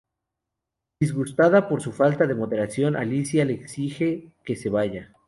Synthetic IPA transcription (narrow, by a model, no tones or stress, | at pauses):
d̪̥izɣust̪aðapo̞ɾsufalt̪aðe̞mo̞ðe̞ɾasjo̞nʔa̰lisjale̞ːksixe̞ke̞se̞βaʝa